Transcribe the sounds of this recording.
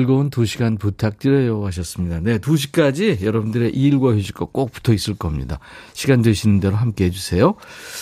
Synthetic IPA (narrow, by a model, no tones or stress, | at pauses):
ɭɡountuɕʰiɡanputʰak̚t͡ɕ͈iɾejʌɦaɕ̬ʰʌs͈ɯmɲidane̞tuɕ̬ʰi̥k͈ad͡ʑijʌɾʌbundɯɾe̞ʔiːɭɡwajoɕʰi̥k͈ʌk͈ok̚p͈u̥tʰʌis͈ɯɭk͈ʌmɲḭda̰ɕʰiɡandweɕʰinɯnde̞ɾoɦamk͈eɦed͡ʑusʰe̞jo